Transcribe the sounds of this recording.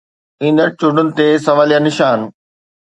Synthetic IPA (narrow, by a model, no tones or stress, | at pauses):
ĩːnd̪əɾt͡ɕʊɖʊnɪ̆t̪eːsɐʋaːlijanɪʃaːn